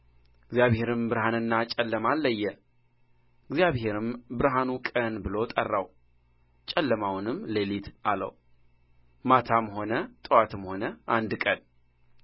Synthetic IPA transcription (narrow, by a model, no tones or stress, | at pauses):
ɡzijaβhe̞ɾɨmbɨɾhanɨnːat͡ʃʼɛlːəmalːəjːɛ | ɪɡzijaβhe̞ɾɨmbɨɾɦanukʼənbɨlo̞t̪ʼərːaw | t͡ʃʼɛlːəmawnɨmlelit̪alə̰w | mat̪ʰamho̞nət̪ʼɨwat̪ɨmho̞nəʔand̪kʼən